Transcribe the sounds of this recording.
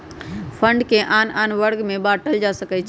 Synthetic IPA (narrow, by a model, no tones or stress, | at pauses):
pʰəɳɖkeʔananʋəɾɡmẽbaʈəld͡ʒasəkət͡ʃʰ